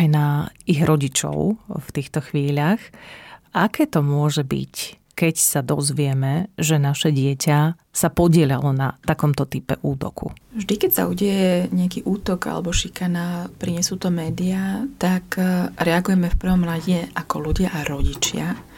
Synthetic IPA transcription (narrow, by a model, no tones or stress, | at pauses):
ajnaiɣɾɔɟit͡ʃɔ̰ʊft̪iːxt̪ɔxʋiːʎaxʔakɛːt̪ɔmʊɔʒɛbḭc | kɛcsad̪ɔzʋɪɛmɛʒɛnaʃɛɟɪɛca | sapɔɟɪɛʎalɔnat̪akɔmt̪ɔt̪ipɛ̰ʔuːt̪ɔ̰kṵvʒd̪ikɛcsa̰uɟɛjɛɲɛakiːʔuːt̪ɔɡa̰lɛ̰bɔʃikanapɾiɲɛsuːt̪ɔmɛːd̪iat̪akɾɛaɡujɛmɛfpr̩ʋɔmɾaɟɛʔakɔluɟɪaʔaɾɔɟit͡ʃɪa